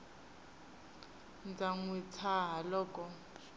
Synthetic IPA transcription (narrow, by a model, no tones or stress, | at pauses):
nd͡zaŋwit͡sʰaɦalɔːkʼɔ